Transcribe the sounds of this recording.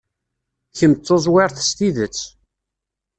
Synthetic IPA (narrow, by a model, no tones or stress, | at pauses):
çəmt͡s̪ˤːozˤwɪɾθst̪iðət͡sː